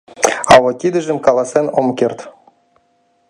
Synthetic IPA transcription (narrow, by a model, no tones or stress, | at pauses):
ɑwɤ̆t̪ʲid̪ɘ̆ʒɘ̆mkɑlˠɑsenomkʲert̪